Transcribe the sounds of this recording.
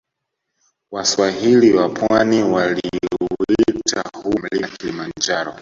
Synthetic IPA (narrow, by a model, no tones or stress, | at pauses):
waswaɦiliwapʰwaniwaliuita̰hum̩likilimand͡ʒaɾɔ